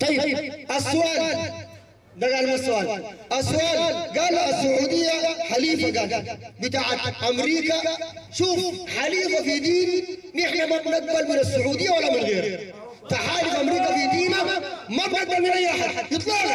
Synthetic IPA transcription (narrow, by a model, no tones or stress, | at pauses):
t̪ˤɑjːɪbbʔasːʊʔaːl | d̪aɡaːlmɪasːʊʔaːlʔasːʊʔaːlɡaːlʔasːʊʕuːd̪ɪjːaħaliːfaɡaːlabɪt̪aːʕat̪ʔamɾiːkaʃuːfħaliːfafid̪iːnːɪħnamabnaɡ̪̚balmɪnasːʊʕuːd̪ɪjːawalːamɪnɣeːɾ | t̪aħaːlɪfʔamɾiːkafid̪iːnamabnad̚balmɪnʔajːʔaħad̪jɨt̪ˤlɑːl